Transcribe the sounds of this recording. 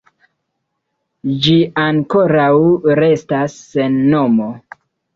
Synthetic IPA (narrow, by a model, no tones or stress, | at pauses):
d͡ʒiaŋko̞ɾawɾe̞stasːe̞nːo̞mo̞